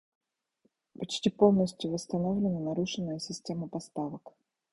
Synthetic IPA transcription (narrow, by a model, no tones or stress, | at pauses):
pɐt͡ɕtʲipo̞lˠnəsʲtʲjʊvəst̪ɐnovlʲɪnənɐɾuʂɨnːəjəsʲɪsʲtʲeməpɐst̪avək